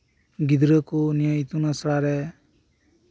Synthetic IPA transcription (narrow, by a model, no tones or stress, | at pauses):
ɡid̪ɾəkunijait̪unasɽaɾɛ